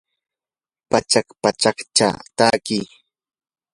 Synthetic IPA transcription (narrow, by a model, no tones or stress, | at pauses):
pat͡ʃakpat͡ʃakt͡ʃa̰t̪aːki